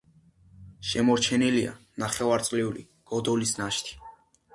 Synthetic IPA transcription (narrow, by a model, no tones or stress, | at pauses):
ʃɛmɔɾt͡ʃʰɛnilia̰naχɛvaɾt̪sʼliulḭ | ɡ̥ɔd̪ɔlisnaʃt̪ʰi̥